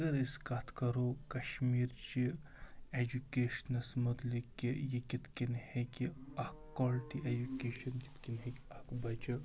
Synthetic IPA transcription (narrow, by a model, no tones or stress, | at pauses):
ɐɡɐɾiskat̪ʰkɐɾokɐʃmiːɾt͡ʃi | ed͡ʒukeːʃnɐsmɐt̪likijekit̪kinhekiɐkkːɔːlʈiʔed͡ʒukeːʃɐnkɪ̥t̪kinɦekʲɐkbɐt͡ʃɐ